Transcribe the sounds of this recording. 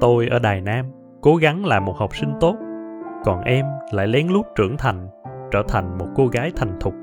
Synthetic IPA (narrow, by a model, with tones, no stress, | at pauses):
t̪o˧jʔəː˧˩ɗaː˨˩jnaː˧m | ko˨˦ɣa˨˦ŋlaː˨˩mo˨˩t̚ha˨˩wk͡p̚sï˧ŋ̟t̪o˦˥t̚kɔ˨˩nʔɛ˧mla̰ː˧˨jlɛ˨˦ŋlu˦˥t̚t͡ɕɨ̰˧˩əŋt̪ʰa˨˩jŋ̟t͡ɕəː˧˩t̪ʰa˨˩jŋ̟mo˨˩t̚ko˧ɣaː˨˦jt̪ʰa˨˩jŋ̟t̪ʰʊ˨˩k͡p̚